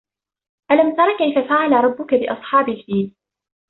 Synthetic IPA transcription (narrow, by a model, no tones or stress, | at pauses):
ʔalamt̪ɑɾˤɑːkajfafaʕalaɾˤɑbːʊkabɪʔɑ̰sˤħɑːbɪlfiːl